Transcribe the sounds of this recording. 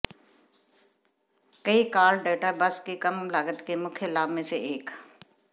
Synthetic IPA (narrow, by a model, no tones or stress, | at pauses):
kəikaːlɖeːʈabəskekɐmlaːɡət̪kemʊkʰjəlaːbmẽseeːk